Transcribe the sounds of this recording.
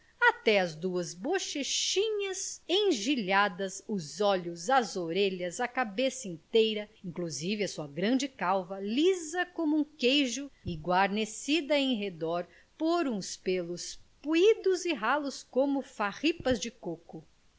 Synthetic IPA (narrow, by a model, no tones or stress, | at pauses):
at̪ɛɐzd̪uɐzboʃeʃĩɲɐzẽʒiʎad̪ɐzʊzɔʎʊzɐzoɾeʎɐzɐkabesɐĩt̪ejɾɐĩŋkluzivɪɐsuɐɡɾɐ̃d͡ʒɪkawvɐlizɐkõmʊũkejʒʊɪɡwaɾnesid̪ɐẽɦed̪ɔɾ | poɾũspelʊspuid̪ʊzɪɦalʊskõmʊfahipɐzd͡ʒɪkokʊ